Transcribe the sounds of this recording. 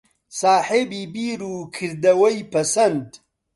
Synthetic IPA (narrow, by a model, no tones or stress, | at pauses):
saːħebiːbiːɾuːkʰɨɾd̪ɐwɐjpɐsɐnd̪